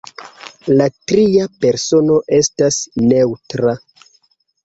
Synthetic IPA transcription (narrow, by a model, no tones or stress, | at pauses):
latɾiape̞ɾso̞no̞ʔe̞stasne̞wtɾa